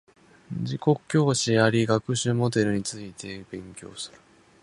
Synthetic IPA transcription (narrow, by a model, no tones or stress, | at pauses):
d͡ʑiko̞kkʲːo̞ːɕijaɾʲiɡakɯ̟ɕɨmo̞d̪e̞ɾɯ̟ɲ̟it͡sɨit̪ʰe̞bẽ̞ŋkʲo̞̰ːsɨ̥ɾɯ̟̥